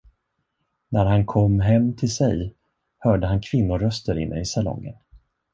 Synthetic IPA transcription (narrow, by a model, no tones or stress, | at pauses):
næɾɦankʰɔmːɦɛmːt̪ʰɪlsɛj | hœːɖəɦankʰv̥ɪnːʊɾœst̪əɾɪ̰nːʔə̰ɪsalɔ̰ŋːə̰n